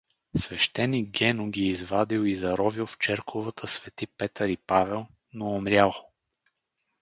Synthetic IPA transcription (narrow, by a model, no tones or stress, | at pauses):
svɛʃt̪ɛnik̚ɡɛnʊɡʲiːzvad̪ilizɐɾɔvilˠft͡ʃɛɾkʰovət̪ʰəsvɛt̪ipɛt̪əɾipavɛlˠ | noːmɾʲjalˠ